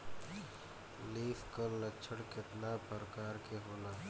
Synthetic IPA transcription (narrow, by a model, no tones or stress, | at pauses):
liːfkələt͡ʃʃʰəɽkɪt̪laːpəɾkaːɾkeɦoːnaː